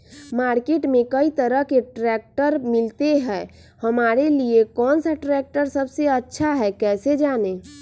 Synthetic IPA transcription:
maːɾkeʈmẽkəit̪əɾəɦkeʈɾɛk̚ʈəɾmɪlt̪eɦɛː | həmaːɾeliekɔːnsaʈɾɛk̚ʈəɾsəbseətːʃʰaɦɛkɛːsed͡ʒaːne

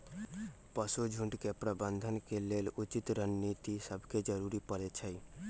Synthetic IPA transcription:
pəsud͡ʒʱʊ̃ɳɖkepɾəbə̃nd̪ʱənkeleːlʊt͡ʃit̪ɾənnit̪isəbʱked͡ʒəɾuɾipəɾet͡ʃʰəj

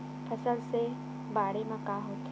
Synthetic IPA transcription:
pʰɐsəlse | baːɽemãkaːɦoːt̪

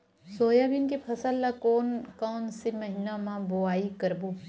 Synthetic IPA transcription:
soːjabɪnkepʰɐsəlːakoːnkɔːnsemɐɦɪnamãboaːikɐɾboː

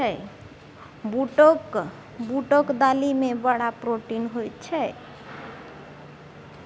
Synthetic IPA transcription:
ɛ | buʈok | buʈokd̪alimebəɽapɾoʈinɦojt̪t͡ʃʰɛ

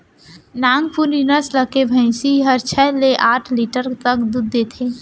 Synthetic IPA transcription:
naŋɡpʰuɾninəsləkebʱə̃ɪ̃siɦəɾt͡ʃʰɛleʔaːʈʰliʈəɾt̪əkd̪ud̪ːet̪ʰe

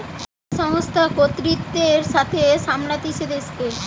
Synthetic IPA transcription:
ʃɔɦost̪ʰakot̪ɾit̪ːeɾʃat̪ʰeʃamlat̪iʃed̪eske

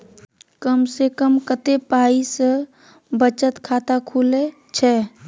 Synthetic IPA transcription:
kəmsekəmkət̪epaːisə | bət͡ʃət̪kʰaːt̪akʰule | t͡ʃʰɛ

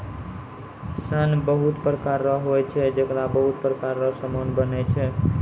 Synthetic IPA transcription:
sənbəɦut̪pɾəkaɾːəɦɦojt͡ʃʰɛd͡ʒəkɾabəɦut̪̚pɾəkaɾːəɦsəmonbənɛt͡ʃʰɛ

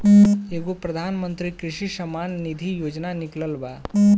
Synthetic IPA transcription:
eːɡopɾɐd̪ʱaːnmə̃nt̪ɾikɾɪʃiʃɐmaːnːid̪ʱijoːd͡ʒnanɪkləlbaː

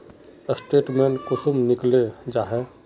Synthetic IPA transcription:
əsʈeːʈmeːnkʊsumnɪkled͡ʒaːɦɛ

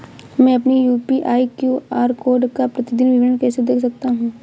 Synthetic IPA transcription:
mɛ̃ɐpnijuːpiʔaːikjuːaːɾkoːɾɖkapɾɐt̪ɪd̪ɪnʋɪʋɪɖəɳkɛːsed̪eːkʰsɐk̚t̪aɦũː

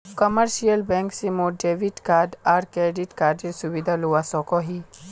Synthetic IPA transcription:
kɐməɾʃijəlbɛ̃ŋksimoɖeʋiʈkaːɾɖaɾkeːɖiʈkaːɾɖiɾsuʋid̪ʱaluʋasɔkɔɦi

